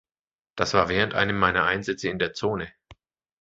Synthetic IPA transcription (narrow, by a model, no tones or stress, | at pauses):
d̥asv̥aːɐvɛːʁ̞əntʔa̰ɪnəmːaɪnɐʔaɪnzɛt͡səɪndeːɐt͡soːnə